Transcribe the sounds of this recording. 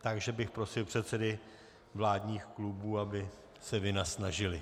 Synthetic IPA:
t̪aɡʒɛbɪxpɾo̞sɪlpr̥ɛt̪sɛdɪ | vlaːdɲiːxklubuːabɪ | sɛvɪnasnaʒɪlɪ

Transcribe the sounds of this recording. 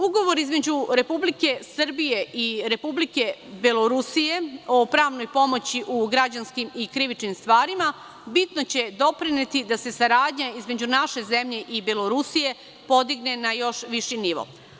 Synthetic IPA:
uɡo̞ʋoɾizme̞d͡ʑuɾe̞publike̞sr̩bije̞ʔiɾe̞publike̞belo̞ɾusije̞opɾaːʋnojpo̞mo̞t͡ɕiʔuɡɾad͡ʑanskimikɾiʋit͡ʃnimst̪ʋaːɾima | bit̪no̞t͡ɕe̞d̪o̞pɾinet̪id̪ase̞saɾaːd̪ɲaizme̞d͡ʑunaʃe̞zemʎe̞ʔibelo̞ɾusije̞ | po̞d̪iɡne̞najo̞ʃʋiʃiniʋo̰

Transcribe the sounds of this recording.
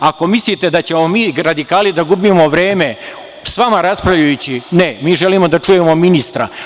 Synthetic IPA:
ako̞mislit̪e̞d̪at͡ɕe̞mo̞miːɾad̪ikaːlid̪aɡubimo̞ʋɾe̞ːme̞ | sʋamaɾaspɾavlʎajut͡ɕinemiːʒeliːmo̞d̪at͡ʂuje̞mo̞minist̪ɾa̰

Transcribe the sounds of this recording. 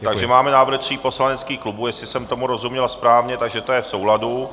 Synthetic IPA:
t̪aɡʒɛmaːmɛnaːvɾxt̪r̥iːpo̞slanɛt͡skiːxklubuːjɛsɪsɛmt̪o̞muɾo̞zumɲɛlspɾaːvɲɛt̪aɡʒɛt̪o̞jɛfso̞wladu

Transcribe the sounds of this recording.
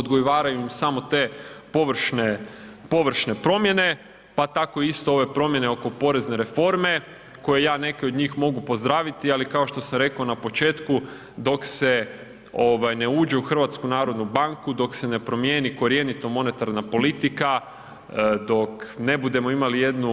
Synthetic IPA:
od̪ɡojoʋaːɾajuimsamo̞t̪e̞ːpoʋr̩ʃnepo̞ʋr̩ʃne̞pɾo̞mje̞ne̞ | pat̪ako̞iist̪oo̞ʋe̞pɾo̞mje̞neo̞ko̞po̞ɾe̞zne̞ɾe̞fo̞ɾme̞ | ko̞je̞jaːne̞ke̞od̪ɲiːxmo̞ɡupo̞zd̪ɾaːʋit̪ialikao̞ʃt̪o̞samɾe̞kaonapo̞t͡ʃe̞ːt̪ku | d̪o̞kse̞ | o̞ʋajne̞uːd͡ʒe̞uxr̩ʋat̪skunaːɾo̞d̪nubaŋkud̪o̞kse̞ne̞pɾo̞mjeːniko̞ɾje̞nit̪omo̞ne̞t̪aɾnapo̞lit̪ika | d̪o̞kne̞bud̪e̞mo̞imalije̞d̪nu

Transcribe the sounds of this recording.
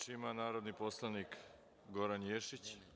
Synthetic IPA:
t͡ʃimanaːɾo̞d̪niposlˠanik | ɡo̞ɾanjeʃit͡ɕ

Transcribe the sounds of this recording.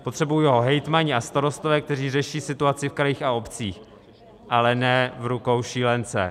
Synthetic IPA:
po̞t̪r̥ɛbujujɛɦo̞ɦɛjt̪maɲɪast̪aɾo̞st̪ovɛːk̚t̪ɛr̝iːrɛʃiːsɪt̪uat͡sɪfkɾajiːxao̞pt͡siːx | ʔalɛnɛvɾuko̞wʃiːlɛnt͡sɛ̰

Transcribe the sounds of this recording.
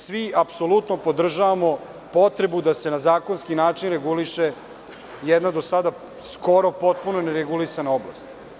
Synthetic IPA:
sʋiapso̞lut̪nopo̞d̪r̩ʒaʋamo̞ | po̞t̪ɾe̞bud̪ase̞nazaːkonskinaːt͡ʃinɾeɡuliʃe | jɛd̪nad̪o̞sad̪a | sko̞ɾo̞po̞t̪̚punoneɾeɡulisanaoblˠa̰st̪

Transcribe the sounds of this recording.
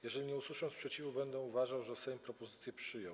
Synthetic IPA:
jɛʐɛlʲiɲɛuswuʂɔ̃nspʂɛt͡ɕivubɛnd̪ɛuvaʐawʐɛsɛjmpɾɔpɔzɘt̪sʲjɛpʂɘjɔ̃w

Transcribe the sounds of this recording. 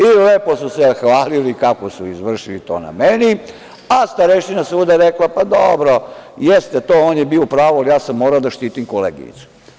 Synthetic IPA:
ileːpo̞susexʋaːlilikakosuizʋr̩ʃilit̪o̞̰ːna̰meni | ast̪aɾeʃinasuːd̪aɾeklapad̪obɾo̞jest̪et̪oːoːnjebiopɾaːʋoalijaːsamːoːɾaod̪aʃt̪iːt̪imkolḛːɡḭɲḭt̪su̥

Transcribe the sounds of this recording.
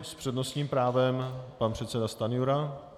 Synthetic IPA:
spr̝̥ɛdno̞sɲiːmpɾaːvɛmpanpr̥ɛt̪sɛdast̪anɪjuɾa

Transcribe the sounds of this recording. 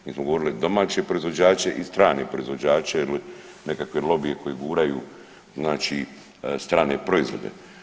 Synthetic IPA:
miːsmoɡoʋo̞ɾilid̪o̞maːt͡ɕe̞pɾo̞izʋo̞d͡ʑaːt͡ʃe̞ʔist̪ɾaːnepɾo̞izʋo̞d͡ʑaːt͡ʃeili | nekakʋelo̞bije̞kʰo̞jiɡuːɾajuː | znaːt͡ʃi | st̪ɾaːne̞pɾo̞izʋo̞̰d̪e̞̰

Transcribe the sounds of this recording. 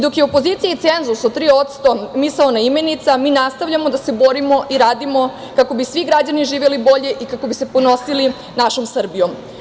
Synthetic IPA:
d̪o̞kjeo̞po̞zit̪sijait̪se̞nzusod̪t̪ɾiːo̞t̪st̪o̞misaonaime̞nit̪samiːnast̪aʋʎamo̞d̪ase̞boɾimo̞ʔiɾaːd̪imo̞ | kako̞bisʋiɡɾad͡ʑaniʒiːʋe̞libo̞ʎe̞ʔikako̞bise̞po̞no̞sili | naʃo̞msr̩bijom

